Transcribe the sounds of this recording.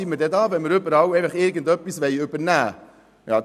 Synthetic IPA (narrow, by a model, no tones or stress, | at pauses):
imədɛdɑːvɛnməɾʏbəɾɑwɛɪfəχɪɾɡəndœpːisvɛɪʏbəɾnæː | jɑ̰ː